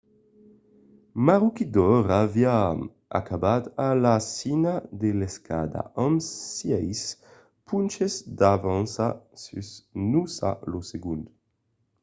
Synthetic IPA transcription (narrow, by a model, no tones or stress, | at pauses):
maʁukid̪ɔɾavia | a̰kabat̪alasinad̪eleskʰa̰d̪a̰ʔamssjɛjs | pʰunt͡ʃezd̪avansasysnusa̰loseɡunt̪